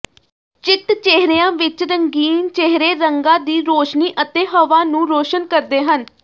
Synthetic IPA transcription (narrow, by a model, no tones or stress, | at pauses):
t͡ʃɪt̪t͡ʃeɦɾeːãːʋɪt͡ʃɾəŋɡiːnt͡ʃeɦɾeːɾəŋɡãːd̪iːɾoːʃniːʔət̪eːɦəʋaːnũːɾoːʃənkəɾd̪eːɦən